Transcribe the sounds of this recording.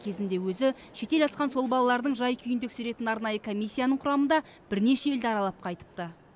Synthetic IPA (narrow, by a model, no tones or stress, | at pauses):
kʲʰe̞zɪnd̪e̞wɵzɪ | ʃe̞t̪e̞lɑsqɑnso̞lˠbɑlˠɑlˠɑɾd̪əɴʒɑjkʲʰʏjɪnd̪ekseɾe̞t̪ɪnɑɾnɑjəkʰo̞mʲijsʲːijanəɴqʰʊɾɑmənd̪ɑ | b̥ɪɾne̞ʃe̞eld̪ɪɑɾɑlˠɑp̚qʰɑjt̪ə̥p̚t̪ə